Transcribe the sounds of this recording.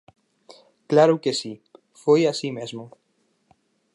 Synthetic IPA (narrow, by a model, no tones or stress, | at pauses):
klaɾukesi | fojasimezmo